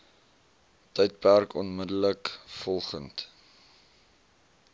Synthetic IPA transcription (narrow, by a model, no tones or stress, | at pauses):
təjt̚pærkɔnmədələkfɔlˠχənt